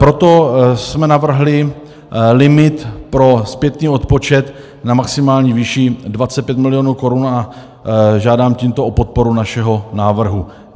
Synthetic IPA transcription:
pɾo̞t̪o̞smɛnavr̩ɦlɪ | lɪmɪt̪pɾo̞spjɛt̪niːo̞t̪̚po̞t͡ʃɛt̪ | namaksɪmaːlɲiːviːʃidvat͡sɛt̪pjɛt̪mɪlɪo̞ːnuːko̞ɾuna | ʒaːdaːmciːmt̪oʔo̞po̞t̪̚po̞ɾunaʃɛɦo̞naːvr̩ɦu

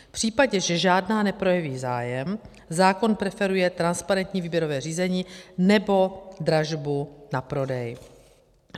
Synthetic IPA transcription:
fpr̝̥iːpaɟɛʒɛʒaːdnaːnɛpɾo̞jɛviːzaːjɛm | zaːko̞npɾɛfɛɾujɛt̪ɾanspaɾɛnt̪ɲiːviːbjɛɾo̞vɛːriːzɛɲiːnɛbo̞dɾaʒbunapɾo̞dɛj

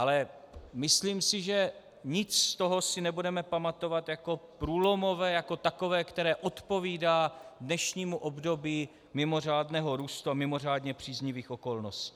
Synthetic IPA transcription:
ʔalɛ | mɪsliːmsɪʒɛ | ɲɪt͡sst̪o̞ɦo̞sɪnɛbudɛmɛpamat̪o̞vat̪jako̞pɾuːlo̞mo̞vɛːjako̞t̪ako̞vɛːkt̪ɛɾɛːʔot̪po̞viːdaːdnɛʃɲiːmuʔo̞bdo̞biː | mɪmo̞r̝aːdnɛːɦo̞ɾuːst̪uamɪmo̞r̝aːdɲɛpr̝̥iːzɲɪviːxʔo̞ko̞lnosci̥ː

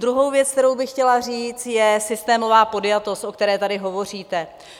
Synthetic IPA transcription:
d̪ɾuɦo̞wvjɛt͡sk̚t̪ɛɾo̞wbɪxcɛlariːt͡st̪jɛsɪst̪ɛːmo̞vaːpo̞djat̪o̞st̪ʔo̞k̚t̪ɛɾɛːt̪adɪɦo̞vo̞r̝iːt̪ɛ

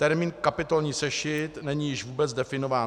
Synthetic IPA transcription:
t̪ɛɾmiːnkapɪt̪olɲiːsɛʃɪt̪nɛɲijɪʒvuːbɛt͡sdɛfɪno̞vaːn

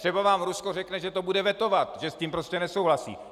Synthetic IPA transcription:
r̥ɛbavaːmɾuskorɛknɛʒɛt̪obudɛvɛt̪o̞vat̪ʒɛsciːmpɾoscɛnɛsowɦlasḭː

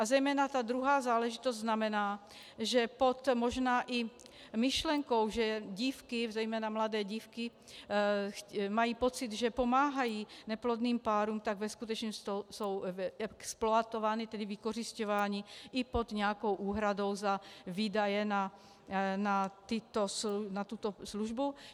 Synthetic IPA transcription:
azɛjmɛːnat̪aːd̪ɾuɦaːzaːlɛʒit̪ɔzʲznamɛnaː | ʒɛpɔt̪mɔʒnaːʔi | miʃlɛŋkɔwʒɛɟiːfkizɛjmɛːnamlad̪ɛːɟiːfki | majiːpɔt͡sid̪ʒɛpɔmaːɦajiːnɛplɔd̪niːmpaːɾuːmt̪aɡvɛskut̪ɛt͡ʃɲɔst̪osowɛksplɔat̪ɔʋaːnit̪ɛd̪ivikɔriscɔʋaːɲiːʔipod̪ɲɛakowʔuːɦɾad̪owzaviːd̪ajɛna | nat̪it̪osnat̪ut̪ɔsluʒbu

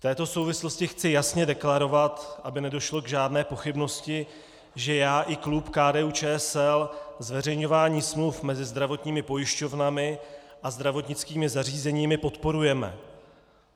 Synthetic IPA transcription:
ft̪ɛːt̪o̞so̞wvɪslo̞scɪxt͡sɪjasɲɛdɛklaɾo̞vat̪ʔabɪnɛdo̞ʃlo̞ɡʒaːdnɛːpo̞xɪbno̞scɪ | ʒɛjaːʔɪklupkaːdɛːuːt͡ʃɛːɛsɛlzvɛrɛjɲo̞vaːɲiːsmlufmɛzɪzd̪ɾavo̞t̪ɲiːmɪpo̞jɪʃco̞vnamɪʔazd̪ɾavo̞t̪ɲɪt͡skiːmɪzariːzɛɲiːmɪpo̞t̪po̞ɾujɛmɛ̰

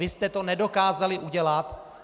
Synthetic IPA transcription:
ɪst̪ɛt̪o̞nɛdo̞kaːzalɪʔuɟɛlat̪

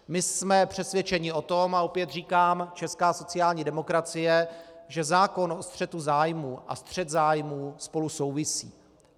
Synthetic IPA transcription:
mɪsmɛpr̝̥ɛsvjɛt͡ʃɛɲɪʔo̞t̪o̞maopjɛt̪r̝iːkaːmt͡ʃɛskaːso̞t͡sɪjaːlɲiːdɛmo̞kɾat͡sɪjɛʒɛzaːko̞nʔo̞st̪r̥ɛt̪uzaːjmuːʔa̰st̪r̝̥ɛd̪zaːjmuːspo̞luso̞wvɪsḭː

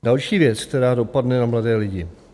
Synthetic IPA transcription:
dalʃiːvjɛt͡sk̚t̪ɛɾaːdo̞padnɛnamladɛːlɪɟɪ

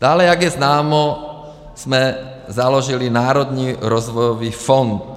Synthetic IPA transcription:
d̪̥aːlɛaɡjɛznaːmɔ | z̥mɛ | zalɔʒilinaːɾɔd̪niːɾɔzʋɔjɔʋiːfɔnt̪

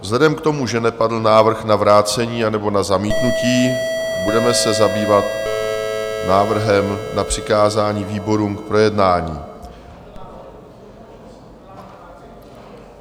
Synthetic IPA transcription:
vzlɛdɛmkt̪o̞muʒɛnɛpadl̩naːvr̩xnavɾaːt͡sɛɲiːanɛbo̞nazamiːt̪nuciː | budɛmɛsɛzabiːvat̪̚ | naːvr̩ɦɛmnapr̝̥ɪkaːzaːɲiːviːbo̞ɾuːmk̚pɾo̞jɛdnaːɲḭː

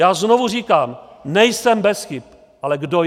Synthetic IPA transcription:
jaːzno̞vuriːkaːm | nɛjsɛmbɛsxɪp̚ | ʔalɛɡdo

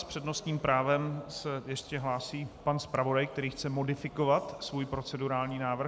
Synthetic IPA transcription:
spr̥ɛdno̞st̪ɲiːmpɾʔaːvɛmsɛjɛscɛɦlaːsiːpanspɾavo̞dajkt̪ɛɾiːxt͡sɛmo̞dɪfɪko̞vat̪svuːjpɾo̞t͡sɛduɾaːlɲiːnaːvr̩

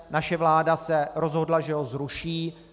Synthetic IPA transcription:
naʃɛvlaːdasɛɾo̞zɦodlaʒɛɦo̞zɾuʃiː

